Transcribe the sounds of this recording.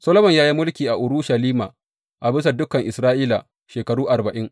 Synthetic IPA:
sɐ˦lo˦mɔ˨ɲjaː˦ji˦mʊ˦lkʲiː˨ʔa˨ʔʊ˨ɾuː˦ʃa˨liː˦ma˨ | ʔa˨bɪ˦s̬a˨dʊ˦kɐ˨ŋʔɪ˨sɾaː˦ʔiː˦la˨ | ʃeː˨kɐ˨ɽuː˦ʔa˨rbɐ˨ʔɪ˦ŋ

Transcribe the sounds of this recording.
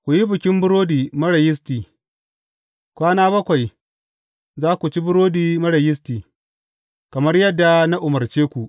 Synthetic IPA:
kʷu˨ji˦bɪ˨kʲɪ˦mbʊ˦ɾoː˦diː˨mɐ˦ɽɐ˨jɪ˦s̬tiː˨ | kʷaː˦naː˦bɐ˦kʷa˨j | zaː˦kʷu˨t͡ʃi˦bʊ˦ɾoː˦diː˨mɐ˦ɽɐ˨jɪ˦s̬tiː˨ | kɐ˨mɐ˦rjɐ˦dːa˨na˦ʔʊ˨mɐ˨rt͡ʃeː˦kʷu˨ʔ

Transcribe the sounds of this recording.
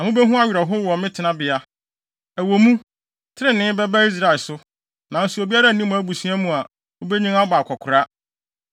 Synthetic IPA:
a˨mʊ̃˦be˦ɦũ˦a˦ɥɾɛ˨ɦʊ˦wɔ˨mɪ̃˦tʰɪ˨nã˦bɪ˨a˨ | æ˨wo˨mũ˦ | tʰɪ˦ɾɪ̃˦nɪ̃˦bɛ˦ba˦i˦s̬ɾa˨lsʊ˦ | nã˨n̩˨su˨o˨bi˦a˦ɾa˦˨nĩ˦mũ˦æ˦bu˨sĩ˦æ˦mũ˨a˨ | o˦be˦ɲĩ˦ŋa˦ba˨kʷʰɔ˨kʰʊ˨ɾa˦

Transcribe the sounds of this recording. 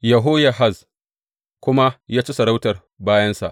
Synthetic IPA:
jɐ˨ɦoː˦ja˨ɦa˦˨z | kʷʊ˦ma˦jaː˦t͡ʃi˦sɐ˨ɽa˦wtɐ˨r | baː˦jɐ˦nsa̰˨ʔ

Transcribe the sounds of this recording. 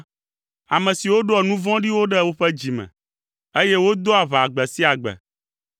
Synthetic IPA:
a̰˨mɛ̃˨si˨wo˦ɖo˦ɛ˨nũ˦vɔ̃˦ɖi˦wo˦ɖɛ˦wo˦ɸɛ˦d͡ʑi˨mɛ̰̃˨ | e˦je˦wo˦d̪o˦a˨βa˨ɡ͡bɛ˨si˦a˨ɡ͡bɛ̰˨

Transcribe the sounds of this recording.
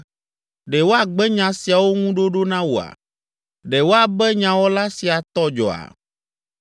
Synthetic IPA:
ɖɛ˨wo˦a˨ɡ͡bɛ˦ɲã˨si˨a˨wo˦ŋũ˦ɖo˦ɖo˦nã˦wo˨a̰˨ | ɖɛ˨wo˦a˨bɛ˦ɲã˨wɔ˦la˦si˨a˨t̪ɔ˦d͡ʒɔ̰˨a̰˨

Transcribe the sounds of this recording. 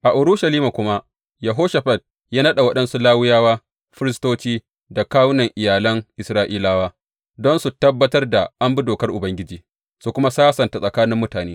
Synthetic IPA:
ʔa˨ʔʊ˨ɾʊ˦ʃa˨liː˦ma˨kʷʊ˦ma˦ | jɐ˨ɦoː˦ʃa˨ɸɐ˨t̚ | jaː˦nɐ˦ɗa˨wɐ˦ɗɐ˦nsu˦laː˦wʊ˦jaː˦waː˦ | ɸɪ˦ɾɪ˦stoː˦t͡ʃiː˦ | da˨kaː˦wʊ˦nɐ˨ŋʔɪ˨jaː˨lɐ˦ŋʔɪ˨sɾaː˦ʔiː˦laː˦waː˦ | dɔ˦nsu˨tɐ˦bːɐ˦tɐ˦rda˨ʔa˦mbi˦doː˨kɐ˦rʔʊ˨bɐ˦ŋɡʲɪ˦d͡ʒiː˨ | su˨kʷʊ˦ma˦saː˦sɐ˨nta˨sʼɐ˨kaː˦nɪ˦mːʊ˦taː˨neː˦

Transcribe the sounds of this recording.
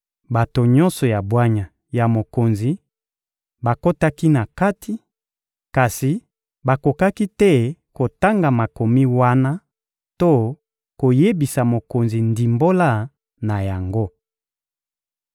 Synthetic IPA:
ba˨to˨ɲɔ̃˦nsɔ˨ja˨bwa˦ɲa˨ | ja˨mo˨ko˨nzi˨ | ba˨ko˦ta˦ki˦na˨ka˦tʰi˨˦ | ka˨si˨ | ba˨ko˨ka˦ki˦tɛ˦˨ko˨ta˦ŋɡa˨ma˨ko˨mi˦wa˦na˦ | to˦ | ko˨je˦bi˨sa˨mo˨ko˨nzi˨ndi˨mbo˦la˦˨ | na˨ja˨ŋɡo˦

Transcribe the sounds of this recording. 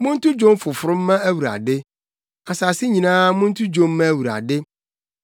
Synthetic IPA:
mʊ̃˦n̩˦tʰʊ˦d͡ʑõ˦m˦fʊ˨fʊ˨ɾʊ̃˦m̩ː˦ã˦æ˦wu˨ɾa̰˨dɪ˦ | a˨sa˨sɪ˦ɲĩ˨nãː˦mʊ̃˦n̩˦tʰʊ˦d͡ʑõ˦m̩ː˦ã˦˨wu˨ɾa̰˨dɪ˦

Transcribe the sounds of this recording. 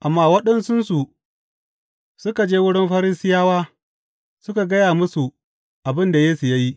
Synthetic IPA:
ʔa˨mːaː˦wɐ˦ɗɐ˦nsʊ˦nsu˨ | sʊ˦ka˨d͡ʒeː˦wʊ˦ɽɪ˦mɸɐ˦ɾɪ˦sɪ˦jaː˦waː˦ | sʊ˦ka˨ɡɐ˦jaː˨mʊ˦su˨ | ʔa˨bɪ˦nda˨jeː˦su˨ja˦ji˦

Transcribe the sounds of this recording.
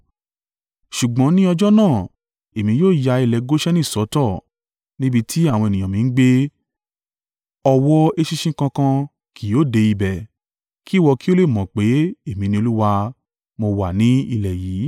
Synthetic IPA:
ʃu˨ɡ͡bɔ̃˨˦nĩ˦ɔ˧d͡ʒɔ˦nãː˦˨ | e˨mĩ˧joː˦˨ja˧i˧lɛ˨ɡo˦ʃɛ˦nĩ˦˨sɔ˨˦tɔ˦˨ | nĩ˦bi˧tʰi˦a˦˨w̃ɔ̃˧e˨nĩ˨ã˨mĩ˨˦n̩˦ɡ͡be˦ | ɔ˧wɔ˦e˧ʃi˦˧ʃĩ˦kã˧kã˧ | kʰi˨˦o˨˦˨de˧i˧bɛ˨ | ki˦˨wɔ˧ki˦o˦le˦˨mɔ̃˨k͡pe˨˦e˦˨mĩ˧nĩ˧o˧lu˦wa˧ | mo˧wa˨nĩ˨˦i˧lɛ˨jiː˨˦

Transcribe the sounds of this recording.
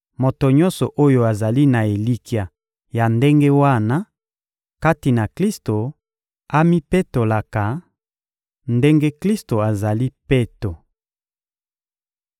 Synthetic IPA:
mo˨to˨ɲɔ˦nsɔ˨ʔo˦jo˦˨a˨za˨li˦na˨e˨li˦ki˨a˨ | ja˨nde˦ŋɡe˦wa˦na˦ | ka˦ti˨na˨kli˦sto˨ | a˦mi˦pe˦to˨la˨ka˨ | nde˦ŋɡe˦kli˦sto˨a˨za˨li˦pe˦to˨

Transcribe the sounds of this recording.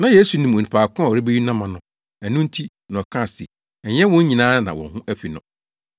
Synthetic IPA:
nã˨je˦su˨nĩ˨mɔ̃˨nĩ˨pʰaː˨kʰʊ̃˦˨ɔ˨ɛ˦be˦ɥi˦nã˦mã˨nʊ̃˨ | æ˨nʊ̃˦n̩˦tʰi˦ | nã˨kʰã˦˨sɪ̰˨ | ɲɛ˦wɔ̃˦ɲ˦ɲĩ˨nãː˦nã̰˨wɔ̰̃˨hʊ̃˦ʔæ˦fi˨nʊ̰̃˨

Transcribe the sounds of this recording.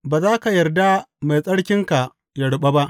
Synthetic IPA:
baː˨zaː˦ka˨jɐ˨rda˦ma˨jsʼɐ˦ɽkʲɪ˦ŋka˨ | jɐ˨ɽɓa˦ba˦ʔ

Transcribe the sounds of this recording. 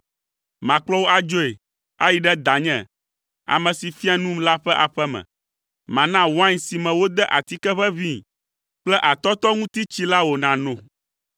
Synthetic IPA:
mã˨k͡plɔ˦wo˦a˨d͡ʒo˦e˨ | a̰˦ji˨ɖɛ˦d̪a˨ɲɛ̰̃˨ | a̰˨mɛ̃˨si˨fi˦a˨nũ˦mla˦ɸɛ˦ʔa˨ɸɛ˦mɛ̰̃˨ | mã˨nã˦wã˦ɲsi˨mɛ̃˨wo˦d̪ɛ˦ʔa˨t̪i˦kɛ˦ɸɛ˦vi˦˨ | k͡plɛ˦ʔa˨t̪ɔ˦t̪ɔ˦ŋũ˦t̪i˦t͡ɕi˦la˦wo˨nã˨nõ˨

